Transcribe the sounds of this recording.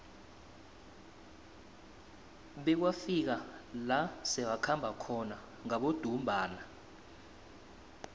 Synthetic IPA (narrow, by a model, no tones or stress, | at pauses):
ɓɛk̬wafik̬alasɛwakʰambʱakʰɔna | ŋaɓod̥ʱumbʱaːna